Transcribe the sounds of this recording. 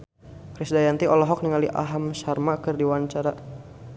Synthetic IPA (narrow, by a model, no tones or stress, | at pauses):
kɾisdajant̪iʔɔlɔɦɔk̚niŋaliʔa̰ɦamsarmakɨrdiwaɲt͡ʃaɾa